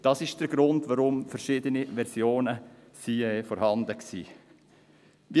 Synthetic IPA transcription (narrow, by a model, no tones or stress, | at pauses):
d̥ɑsɪʃd̥əɾɡɾʊndʋaɾʊmfəɾʃɪːdəniʋɛɾsjoːnəsiːɛfɔɾhɑndəksḭː | ʋi